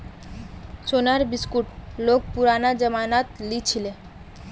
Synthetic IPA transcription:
ʃonaɾbiskuʈlok̚puɾanad͡ʑəmanat̪lit͡ɕʰile

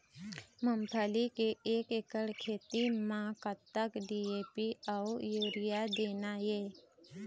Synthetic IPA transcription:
məmpʰaːlikeeːkekəɽkʰeːt̪imãkət̪ːəkɖiːeːpiawjoːɾɪjad̪eːnajeː

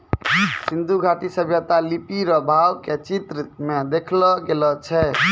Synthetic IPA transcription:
sind̪ʱuɡʱaʈisəbʱjət̪alipiɾɔbʱawket͡ʃit̪ɾəmed̪ekʰlɔɡelɔt͡ʃʰɛ

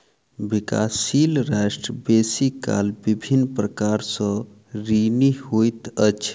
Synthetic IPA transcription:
bika̰silɾasʈɾəbesika̰lbibʱinːpɾəkaɾsə̃ | ɾinihojt̪ət͡ʃʰ

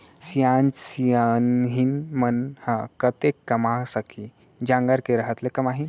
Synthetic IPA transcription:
sjãnsianɦinmənhakət̪ekːəmasəkʰi | d͡ʑãŋɡaɾkeɾəɦət̪lekəmaɦi

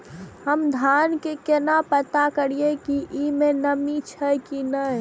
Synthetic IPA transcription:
həmd̪ʱankekenapət̪akəɾiekiʔimenəmit͡ʃʰəjkinəj

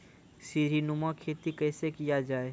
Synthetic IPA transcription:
siɾinʊmakʰeːt̪ikɛːsekijad͡ʒaːeː

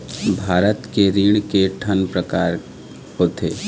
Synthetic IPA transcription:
bʱaːɾət̪keɾiːɽ̃keʈʰənpɾəkaːɾ | kot̪ʰeː

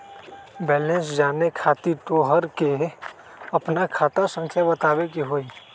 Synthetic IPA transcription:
bɛːlẽnsd͡ʒaːnekʰaːt̪it̪oːɦəɾke | ɐpnakʰaːt̪asə̃ŋkʰjabət̪aːʋekiɦoːi

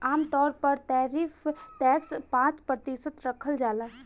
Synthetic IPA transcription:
aːmt̪ɔːɾpəɾt̪aːɾifʰʈɛkspãt͡ʃpɾət̪isət̪ɾəkʰəld͡ʒaːlə

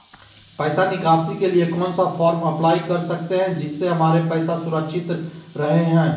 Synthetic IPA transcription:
pɛːsanɪkaːsikeliekɔnsɔfʰɔːɾmɐplaːikɐɾsɐk̚t̪eɦɛ̃d͡ʒɪsːeɦɐmaːɾepɛːsasʊɾəkʃɪt̪ɾɐɦeɦɛ̃ː

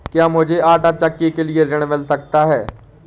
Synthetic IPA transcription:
kjaːmʊd͡ʒʱeʔaːʈat͡ʃɐkːikelieɾɪɽ̃mɪlsɐk̚t̪aɦɛː

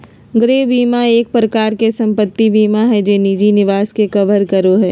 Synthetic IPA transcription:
ɡɾeːbiːmaeːk̚pɾɐkaːɾkesɐ̃mpət̪ːibiːmaɦɛd͡ʒeːnid͡ʒinɪʋaːskekɐbəɾkɐɾoɦɛː

